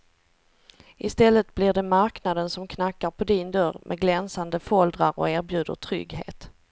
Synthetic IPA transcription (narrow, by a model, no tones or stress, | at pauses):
ʔɪst̪ɛlːət̪blɪɖɛmaɾknad̪ənsɔmkʰnakːaɾpʰɔd̪ɪnd̪œɾmʔɛ̰ɡlɛnsand̪əfɔld̪ɾaɾɔ̰æːɾbjʉ̟ːd̪ə̰ʈʰɾʏ̰ɡhḛːt̪